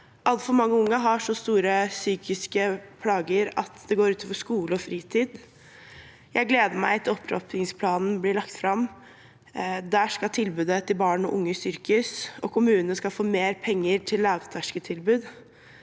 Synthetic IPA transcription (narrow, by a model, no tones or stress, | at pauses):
ʔɑlt̪fɔɾmɑŋːəʊŋːɑɦɑʂɔst̪uːɾəsyːkɪskəpʰlɑːɡəɾɑt̪d̪ɛɡoːɾʉːt̪ɔfɔʂkuːləɔfɾiːt̪ʰiːd̪ | jʔæɪɡleːd̪əɾmæɪt̪ʰːəɔpʰːɾɔ̰p̪ʰɪŋspʰlɑːnn̩bliːɭɑkt̪fɾɑm | d̪æːʂkɑt̪ʰɪlbʉːd̪ət̪ʰɪlbɑːɳɔʔʊŋːəsʏɾkʉsɔkʰʊmʉːnənəskɑlfoːmeːɾpʰɛŋːəɾʈʰɪlːɑʋt̪ʰæʂkət̪ʰɪlbʉːd̪